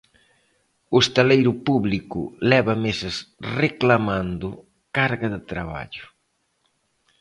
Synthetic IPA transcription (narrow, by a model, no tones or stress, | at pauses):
ʊest̪alejɾʊpuβlikʊ̰lɛβɐmesɐsreklamand̪ʊ | kaɾɣɐðɪt̪ɾaβa̰ʎʊ